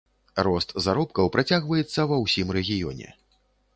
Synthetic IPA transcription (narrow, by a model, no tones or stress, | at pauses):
rɔst̪zaɾɔpkɐwpɾat͡sʲaɣvɐjɛt̪sːɐvɐwsʲimrɛɣʲijɔ̰nʲɛ̰